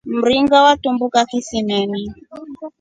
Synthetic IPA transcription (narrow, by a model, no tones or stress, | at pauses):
m̩ɾiŋɡawatumbukakisimɛni